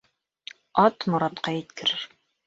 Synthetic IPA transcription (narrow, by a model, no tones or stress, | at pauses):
ɑt̪mŏɾɑt̪qɑjɘ̆t̪kɘ̆ɾɘɾ